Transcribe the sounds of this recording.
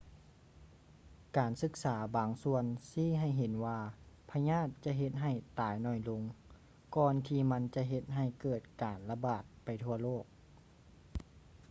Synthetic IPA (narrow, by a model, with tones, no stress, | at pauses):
kaː˨nsɯ˧˦k̚saː˩˦baː˨˩ŋsu˧ənsiː˧˥˨ɦa˧˨˩jɦe˨˦nwaː˧pʰa˧ɲaː˥˩t̪̚t͡ɕa˧˨ɦe˧˦t̪̚ɦa˧˩jt̪aː˨˩jnɔː˧˩jlo˧ŋ | kɔː˧nt̪ʰiː˧ma˧˥nt͡ɕa˧ɦe˧t̪̚ɦa˧˩jkɤː˧˩t̪̚kaː˨˩nla˧baː˨˩t̪̚pa˨˩jt̪ʰu˧ɐloː˥˩k̚